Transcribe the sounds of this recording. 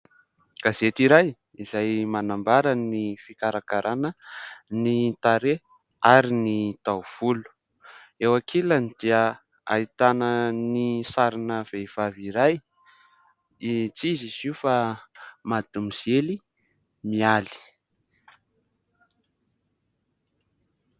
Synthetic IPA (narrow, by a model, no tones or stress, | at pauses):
kazet̪iɾaj | izajmanambaɾanifikaɾakaɾʔanənit̪aɾe | aɾinit̪awv̥ulu̥ | ewakʰelanid̪̥iə | a̰it̪anənisaɾinəv̥ev̥aviɾaj | it͡siziziufamad̪umizieli | miali̥